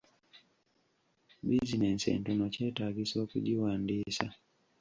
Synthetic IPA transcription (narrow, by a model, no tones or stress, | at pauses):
bizinɛnsɛ̰ntunɔt͡ʃɛtaɡiswakṵʄiwandisa